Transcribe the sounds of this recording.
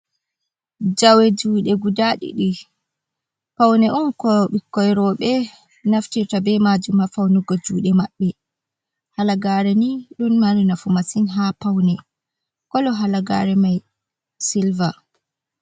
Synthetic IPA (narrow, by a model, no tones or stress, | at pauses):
d͡ʒawɛd͡ʒuːɗɛɡudaɗḭɗi | pawnɛʔumkɔɓikːɔjɾɔɓɛ | naftiɾtabɛmad͡ʒumhafawnuɡɔd͡ʒuːɗɛmaɓːɛ | halaɡaːɾɛniɗunmaɾinafumasinɦapawnɛ | kɔlɔɦalaɡa̰ɾɛmaj | silva